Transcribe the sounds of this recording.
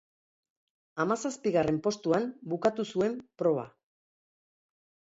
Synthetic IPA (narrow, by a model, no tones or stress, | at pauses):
amasaspiɣare̞mpo̞st̪uambukat̪usue̞mpɾo̞βa̰